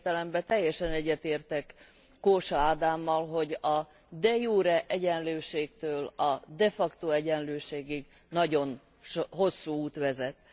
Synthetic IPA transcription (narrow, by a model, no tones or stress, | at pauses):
t̪ɛlɛmbɛt̪ɛjːɛʃɛnɛɟːɛt̪eːrt̪ɛkː | oːʃɒaːd̪aːmːɒlɦo̞ɟɒ | d̪ɛjuːɾɛʔɛɟɛnløːʃeːk̚t̪øːlɒd̪ɛfɒkt̪oɛɟɛnløːʃeːɡiɡ | nɒɟo̞n | ʃɦo̞sːuːuːt̪ʋɛzɛt̪